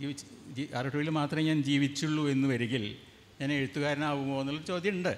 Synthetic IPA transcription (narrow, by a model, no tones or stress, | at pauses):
iːʋid͡ʑiɐriʈːuʋilmaːt̪rɐmɲaːnd͡ʑiːʋit͡ɕːuɭːue̞nːuʋɐɾiŋɡil | ɲaːneɻut̪ːuɣaːɾɐnaːʋumoːenːuɭːɐɽɨt͡ɕo̞ːd̪ʱjɐuɳɖɨ